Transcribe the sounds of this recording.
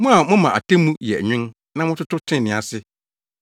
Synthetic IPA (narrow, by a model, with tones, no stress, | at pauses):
mʊ̃˦a˨mʊ̃˦mã˨ʔa̰˨tʰẽ˦mũ˦jɛ̰˨ɲᶣɪ̃˦n | nã˦mʊ̃˦tʊ˦tʊ˦tʰɪ̃˦˨nɪ̃˨a̰˨sɪ˦